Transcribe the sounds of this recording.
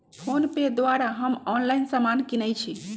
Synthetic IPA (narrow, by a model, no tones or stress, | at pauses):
pʰonped̪waɾaɦəmɔnlainsamankinət͡ʃʰi